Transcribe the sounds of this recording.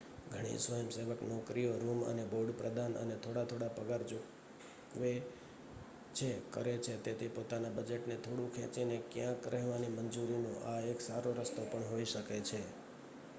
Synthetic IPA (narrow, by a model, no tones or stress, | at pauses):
ɡʱəɽ̃ḭsʋəjəmseʋəknɔkɾijoɾumə̰neboɖpɾəd̪ʱanə̰net̪ʰoɽat̪ʰoɽapəɡaɾd͡ʒo | kʋe | t͡ʃʰekə̰ɾet͡ʃʰet̪et̪ʰepot̪anabəd͡ʒeʈnet̪ʰoɽũkʰɛ̰̃t͡ʃinekjãkɾɛɦʋanimənd͡ʒuɾinõʔaeksaɾoɾəst̪opəɳɦoiʃəket͡ʃʰe